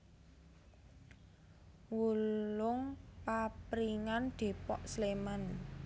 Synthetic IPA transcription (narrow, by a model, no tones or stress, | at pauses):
wulʊŋpapɾiŋand̪̥e̤pɔʔslemən